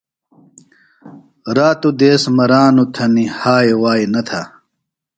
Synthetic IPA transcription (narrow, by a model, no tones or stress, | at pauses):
ɾaːt̪ud̪eːsmɐɾaːnut̪ʰɐnihaːewaːinɐt̪ʰa̰